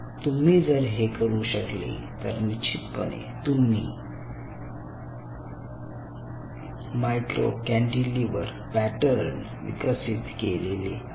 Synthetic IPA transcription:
t̪um̤iːd͡zəɾɦekəɾuɕəklḛt̪əɾnit͡ɕʰit̪pəɳḛt̪um̤ḭː | majʈɾo̰kæ̃ɳɖiliʋəɾ | pæʈəɾn | ʋḭkəsit̪kelele

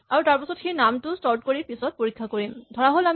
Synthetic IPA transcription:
aɹutaɹpasɔtxeɹnamtʊstɔɹt̚koɹipisɔt̚poɹikʰːakoɹimdʱɔɹaɦolam

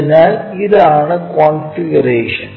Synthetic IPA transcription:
naiðaːɳɨkonfiɡɐɾeːʂɐn

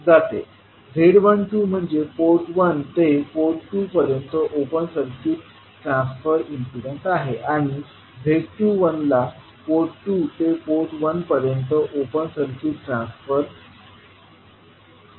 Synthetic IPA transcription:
d͡zat̪ḛ | bʱeɽʋənʈuːm̤əɳd͡zepoɾʈʋənt̪epoʈʈupəɾjənt̪əʔopənsəɾkiːt | ʈɾãnsfəɾinsiɽeɳʈaɦeʔaɽ̃i | bʱeɽʈuːʋənla | poɾʈʈːuːt̪epoɾʈʋənpəɾjənt̪əʔopənsəɾkiʈɾãnsfəɾ

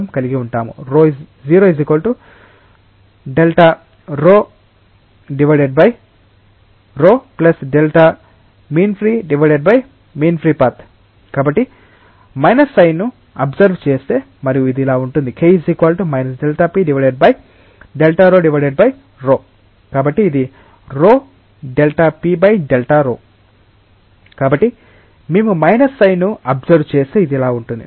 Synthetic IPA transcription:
mkɐliɡiuɳʈaːmṵɾoː | ziːɾozikʋɐlʈu | ɖelʈa | ɾoː | ɖiʋɐjɖeɖ̚bɐj | ɾoːplɐsɖelʈaː | miːnpʰɾiːɖiʋɐjɖeɖ̚bɐj | miːnpʰɾiːpaːɾt̪ʰ | kaːbɐʈːi | mɐjnɐsːɐjnːu | ɐbzɐɾʋt͡ʃeːst̪e̞ː | mɐɾijuid̪iilaːuɳʈund̪ikʰejziːkaːlʈumɐjnɐsɖelʈaːpiːɖiʋɐɖeɖ̚bɐj | ɖelʈaːɾoːɖiʋɐɾɖeɖ̚bɐj | ɾoː | kaːbɐʈːiːd̪i | ɾoː | ɖelʈaːpiːbɐjɖelʈaːɾoː | kaːbɐʈːi | meːmumɐjnɐsːɐjnːuɐbzɐɾʋt͡ʃeːst̪eːid̪iilaːuɳʈund̪ḭ

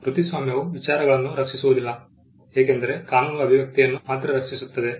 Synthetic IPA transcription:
pɾut̪isʋaːmjɐʋuʋit͡ʃaːɾɐɡɐɭɐnːuɾɐt͡ʃːisuʋud̪ilːɐ | eːkend̪ɐɾe̞kaːnuːlɐɐbʱiʋjɐk̚t̪ijɐnːumaːt̪ːɾɐɾɐt͡ʃisut̪ːɐd̪e̞

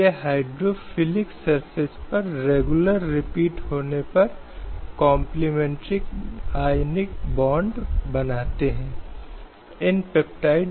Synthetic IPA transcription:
eɦaːɪɖɾofɪlɪksɐɾfɪspɐɾɾeːɡʊləɾːɪpiːʈhoːnepɐɾ | kɔ̃ːmplimɛ̃ɳʈɾikaːɪnɪk̚bɔ̃ːɳɖbɐnaːt̪eɦɛ̃ː | ɪnpep̚ʈaːɪɖ

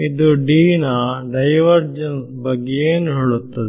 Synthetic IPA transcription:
id̪uɖiːnɐɖɐjʋɐɾd͡ʒɐns | bɐɡːejeːnuɦiɭut̪ːɐd̪i

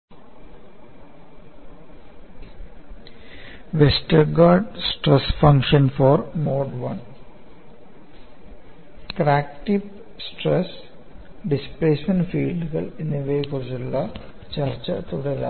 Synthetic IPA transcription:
ʋesʈɐɾɡaːɖsʈresfɐ̃ŋkʂɐnfɔːɾmoːɖʋɐ̰n | kɾæːk̚ʈiʋ | sʈɾes | ɖispleːsmenɖfiːlɖɨɣɐ̰ɭinːiʋeːkuɾt͡ɕilːɐ | t͡ɕɐrt͡ɕɐt̪ʰɾuːd̪ɐla̰

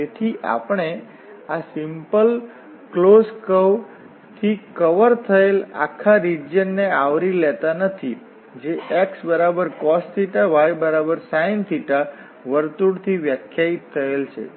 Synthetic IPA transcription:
d͡ʒet̪ʰiʔa̰pɳe | asimpəl | kloskəw | t̪ʰikəʋəɾt̪ʰəela̰kʰːaɾid͡ʒjənːeaʋɾilɛt̪anət̪ʰi | d͡ʒeʔeksbəɾabəɾkɔst̪iʈaʋajbəɾabəɾsajnt̪ʰiʈa | ʋəɾt̪uɽt̪ʰiʋjəkʰjait̪ʰːəelt͡ʃʰḛ

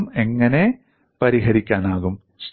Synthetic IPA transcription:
me̞ŋːɐne̞ | pɐɾiɦɐɾikʲːaːnaːɣum | s

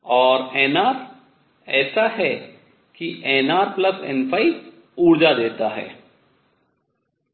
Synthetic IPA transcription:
ɔːɾeːnaːɾ | ɛːsaɦɛ | kiʔeːnaːɾplɐsɛ̰nfʰaːi | uːɽd͡ʒad̪eːt̪aɦɛ̰ː

